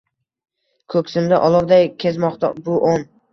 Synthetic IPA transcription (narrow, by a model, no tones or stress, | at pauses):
kʰɵkʲsɪmd̪aʔɒlˠɒbd̪ajkʲʰe̞zmɒqt̪ʰa̰bʊʔon